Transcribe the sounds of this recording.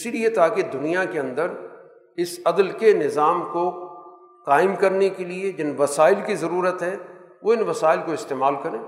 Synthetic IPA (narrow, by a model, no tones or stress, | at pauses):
ɪsiliet̪aːked̪ʊnijakeɐ̃nd̪əɾ | ɪsɐd̪əlkenɪzaːmko | qaːɪmkɐɾnekelied͡ʒɪnʋɐsaːɪlkizɐɾuːɾət̪ɦɛʋoɪnʋɐsaːɪlkoɪst̪eːmaːlkɐɾẽː